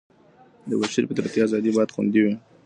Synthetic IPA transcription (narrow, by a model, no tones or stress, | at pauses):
d̪əwaʃiɾpəd̪əɾt̪jiazɑd̪ibɑjt̪xṵnd̪iwi